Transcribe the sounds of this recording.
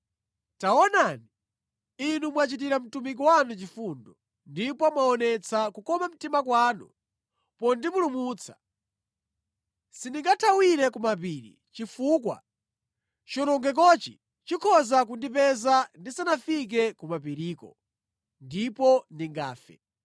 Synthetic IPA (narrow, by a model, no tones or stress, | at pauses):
taɔnani | inumwat͡ʃit̬iɾam̩tumik̬ɔwanut͡ʃifundɔ | ndipɔmwaɔnɛt͡sʰakukɔmam̩timakwaːnṵ | pɔndimulumuːt͡sʰḁ | sindiŋɡatʰawiɾɛkumapiːɾḭ | t͡ʃifuːkwa̰ | t͡ʃɔɾɔŋɡɛk̬ɔt͡ʃḭ | t͡ʃikʰɔzak̬undipɛzandisanafik̬ɛkumapiɾiːkɔ̰ | ndipɔndiŋɡa̰ːfɛ̰